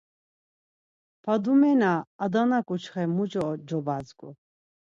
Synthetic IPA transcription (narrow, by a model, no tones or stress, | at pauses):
pʰad̪umɛnaːd̪anakʼut͡ʃχɛmud͡ʒɔd͡ʒɔbazkʼu